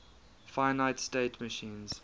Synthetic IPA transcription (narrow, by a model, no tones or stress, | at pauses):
faɪnaɪtsteɪtʰməʃĩːnz̥